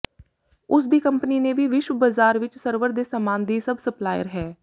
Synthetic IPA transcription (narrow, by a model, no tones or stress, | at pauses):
ʊsd̪iːkəmpniːnẽːʋiːʋɪʃwəbazaːɾʋɪt͡ʃsəɾʋəɾd̪eːsaːmaːnd̪iːsəbsəplaːjə̰ɾɦɛː